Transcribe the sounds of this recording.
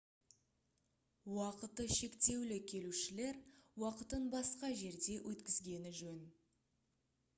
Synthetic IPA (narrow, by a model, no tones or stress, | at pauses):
wɑqət̪əʃe̞kt̪e̞wlɪkʲʰe̞luʃɪle̞ɾwɑqət̪ənbɑsqɑʒe̞ɾd̪e̞wʔɵt̪kʲɪzɡʲe̞nɪʒɵn